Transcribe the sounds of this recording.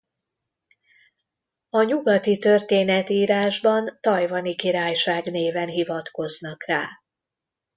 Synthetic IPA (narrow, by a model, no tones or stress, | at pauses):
ɒɲuɡɒt̪it̪ø̞rt̪eːnɛt̪iːɾaːʒbɒnt̪ɒjvɒnikiɾaːjʃaːɡneːvɛnɦivɒt̪ko̞znɒkraː